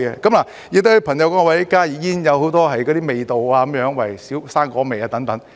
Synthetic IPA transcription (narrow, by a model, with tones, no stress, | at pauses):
kɛ̰ː˧kɐ˨˥mlaː˨˩ | ji˧t̪o˥hpʰɐ˨˩ŋjɐ˨˧wkɔː˨˥˧wɐ˨˥kaː˥jiː˨˩jiː˥njɐ˨˧who˨˥wt̪ɔː˥ɦɐ˨jkɔː˨˥ɾiː˥me˨jt̪o˨waː˧kɐ˨˦mjœː˨˧˥ŋwɐ˨˩jsiː˨˥wsaː˥nkɔː˨˥me˨jaː˧t̪ɐ˨˥ŋt̪ɐ˨˥ŋ